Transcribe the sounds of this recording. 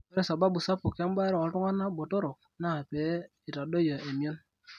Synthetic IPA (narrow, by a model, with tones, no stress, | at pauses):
e˦ɾe˦˨sa˨ba˦bu˨sa˦po˨ke˦m˦ba˦ɾo˦˨o˨˦tu˦ŋa˦na˦bo˨to˦ɾo˨ | na˦˨pe˨˦ | i˨ta˨do˦jo˨e˨m˨˦o˦n